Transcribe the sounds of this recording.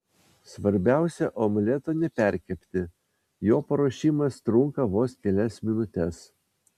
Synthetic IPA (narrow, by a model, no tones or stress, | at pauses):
sʋɐɾʲbʲæˑʊsʲɛʔomʲlʲɛt̪onʲɛpʲæɾʲkʲɛpʲt̪ʲɪ | joːpɐɾoːʃʲiːmɐst̪ɾʊŋkɐʋoːskʲɛlʲɛsmʲɪnʊt̪ʲɛs